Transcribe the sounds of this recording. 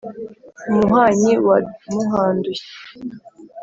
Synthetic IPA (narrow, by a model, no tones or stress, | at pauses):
umuɦaːɲiwadmuɦaːnduɕi̥